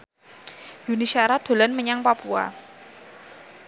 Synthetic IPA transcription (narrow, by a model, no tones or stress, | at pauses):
junisaɾad̪̥o̤lanməɲaŋpapua̰